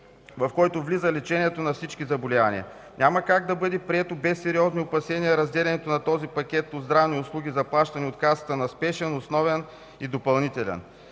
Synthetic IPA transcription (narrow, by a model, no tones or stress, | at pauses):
vɐfkɔjt̪ovlizəlɛt͡ʃɛniɛt̪onɐfsit͡ʃkizɐbolianʲḭə̰ | nʲʔamɐkaɡ̚d̪ɐbɤd̪ɛpɾiɛt̪obɛsːɛɾiɔzniopɐsɛniɐɾɐzd̪ɛlɛnɛt̪onɐt̪ɔzipɐkʲɛt̪̚pozd̪ɾavniʊslˠuɡ̟ʲizɐplˠaʃt̪ɐnʲiot̪kasət̪ənɐspɛʃɛnosnɔvɛn | id̪opɐlˠnit̪ɛlɛ̰n